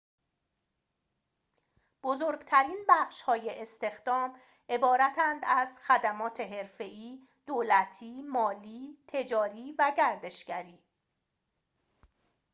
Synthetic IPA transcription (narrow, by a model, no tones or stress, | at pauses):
b̥ozoːɾɡt̪ʰæɾiːnbæxʃhɒːjeʔest̪e̞xd̪̥ɒːm | ʔe̞bɒːɾæt̪ʰænd̪æzxæd̪æmɒːt̪ʰe̞ɦe̞ɾfe̞ʔiː | d̪̥oːlæt̪ʰiːmɒːliːt̪ʰe̞d͡ʒɒːɾiːvæɟæɾd̪e̞ʃɡ̥æɾiː